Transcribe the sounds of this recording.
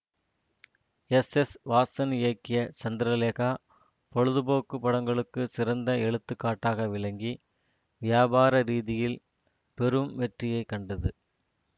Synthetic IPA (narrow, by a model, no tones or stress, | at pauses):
ɛsɛsʋaːsɐnɪɐkːɪjɐt͡ʃɐnd̪ɪɾɐleːɣaː | pɔɻɯðɯboːkːɯpːɐɽɐŋɡɐɭɯkːɯsɪɾɐnd̪ɐɛɻɯt̪ːɯkːaːʈːaːɣɐʋɪɭɐŋɡi | ʋɪjaːbaːɾɐɾiːðɪjɪl | pɛɾɯmʋɛʈrɪjɐɪkːɐɳɖɐðɯ